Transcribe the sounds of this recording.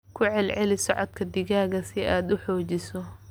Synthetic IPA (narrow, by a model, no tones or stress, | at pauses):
kʰʊʕɛlʕɛlɪsɔʕɔd̪̚kʰɐd̪ɪɣaːɣɐsɪaːd̪ʊħɔːt͡ʃɪsɔ